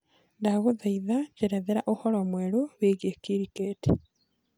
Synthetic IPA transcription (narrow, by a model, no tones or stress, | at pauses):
ndaɣuðaiðaɟeɾeðeɾaʔohɔɾɔmweɾoweɣjekiɾikeːti̥